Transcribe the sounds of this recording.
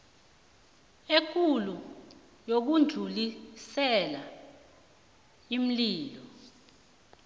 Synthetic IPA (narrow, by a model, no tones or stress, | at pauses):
ek̬ʰulu | jok̬und͡ɮʱulisɛla | im̩liːlɔ